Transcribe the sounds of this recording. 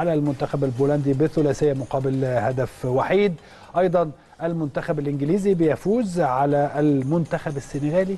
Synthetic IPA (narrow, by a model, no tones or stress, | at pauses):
alælmʊnt̪æxæbælbuːlænd̪ibɪθʊlæːsɪjːæmʊqɑːbɪlhæd̪æfwaħiːd̪ | ʔɑjd̪ˤɑn | ʔælmʊnt̪æxæbælʔɪnɡɪliːzibɪjæfuːzʕalæʔːlmʊnt̪æxæbɪsːɪneɣæːli